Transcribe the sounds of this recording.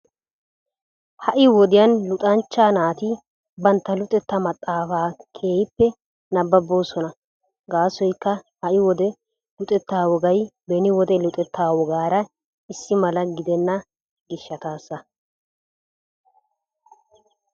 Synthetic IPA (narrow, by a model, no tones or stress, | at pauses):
hɐʔɪwɔd̪ɪjɐnlʊt̪ʼɐnt͡ʃːaːnaːt̪ɪ | bɐnt̪ːɐlʊt̪ʼɛt̪ːɐmɐt̪ʼːaːfaːkʰe̞ːjɪpːɛ | nɐbːɐbːoːsɔnɐ | ɡaːsɔjkːɐhɐʔɪwɔd̪ɛ | lʊt̪ʼɛt̪ːaːwɔɡɐjbɛnɪwɔd̪ɛlʊt̪ʼɛt̪ːaːwɔɡaːɾɐ | ɪsːɪmɐlɐɡɪd̪ɛnːɐ | ɡɪʃːɐt̪aːsːɐ